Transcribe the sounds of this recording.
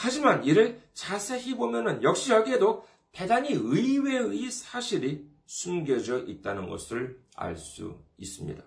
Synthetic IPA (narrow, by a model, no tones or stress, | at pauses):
had͡ʑimaniɾɯɭt͡ɕasʰe̞ɦibomjʌnɯnjʌk̚ɕ͈ijʌɡiɦedo | pe̞daɲiɯiwe̞ɯisʰaɕʰiɾi | sʰumɡjʌd͡ʑʌʔit̚t͈anɯnɡʌ̰sʰɯɭ | a̰ɭs͈ṵḭs͈ɯmɲḭda